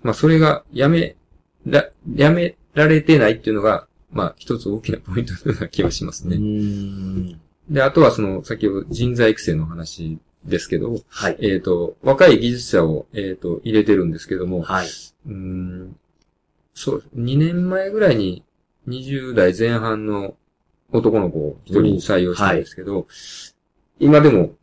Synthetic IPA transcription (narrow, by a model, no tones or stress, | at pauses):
maso̞ɾe̞ɡajame | ɾajame̞ | ɾaɾe̞t̪e̞nait̪ːeiɯ̟no̞ɡa | maçi̥t̪o̞t͡sɨo̞ːkʲinapo̞ĩnt̪ot̪akʲiβaɕima̰sɨne̞ | d̪e̞at̪o̞βaso̞no̞sakʲihod̪oʑĩnzaiki̥se̞ːnoːɦanaɕi | d̪e̞sɨ̥ke̞d̪o̞̰moaeːt̪ːo̞βakaiɡʲiʑit͡sɨ̥ɕao̞eːt̪o̞ʔiɾe̞t̪e̞ɾɯ̟̃nd̪esɨ̥ke̞d̪o̞mo̞aɯ̟̃ | so̞̰ːd̪esneɲ̟inẽ̞mːae̞ɡɯ̟ɾaiɲ̟i | ɲ̟iʑɨːd̪aizẽ̞ɰ̃ɦãnːo̞ː | t̪o̞ko̞no̞ko̞çi̥t̪o̞ɾʲiɲisaijo̞ːɕtãd̪sɨ̥ke̞d̪o̞ | imad̪e̞mo̞